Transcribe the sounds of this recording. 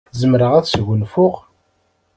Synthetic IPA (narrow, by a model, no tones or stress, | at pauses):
zəmɾəʁæθsʝənfʊʁ